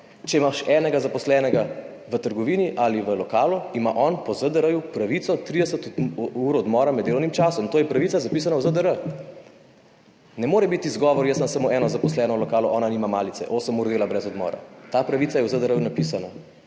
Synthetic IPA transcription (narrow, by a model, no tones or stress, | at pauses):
t͡ʃɛimaʃɛːnɛɡazapɔslɛnɛɡa | ʋət̪əɾɡɔʋiːniʔaliʋəlɔkaːlɔimaʔɔnpɔzəd̪əɾəjupɾaʋit̪sɔt̪ɾid̪ɛsət̪uɾɔd̪mɔːɾamɛd̪elɔwnimt͡ʃaːsɔmt̪oːjɛpɾaʋit̪sazapiːs̬anawzəd̪əɾə | nɛmoːɾɛbit̪izɡɔːʋɔɾjəsmamsamoʔɛːnɔzapɔslɛnɔlɔkaːlɔʔɔːnanimamaːlitsɛ̰ʔosəmuːɾd̪eːlabɾɛzɔd̪mɔ̰ːɾa̰t̪apɾaʋit̪sajɛwzəd̪əɾəjunapisanɔ